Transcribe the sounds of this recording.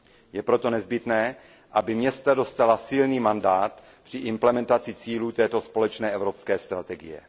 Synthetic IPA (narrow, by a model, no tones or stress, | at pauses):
jɛpɾo̞t̪o̞nɛzbɪt̪nɛː | ʔabɪmɲɛst̪ado̞st̪alasɪlniːmandaːt̪ | pr̥ɪʔɪmplɛmɛnt̪at͡sɪt͡siːluːt̪ɛːt̪o̞spo̞lɛt͡ʃnɛːɛvɾo̞pskɛːst̪ɾat̪ɛɡɪ̰jɛ̰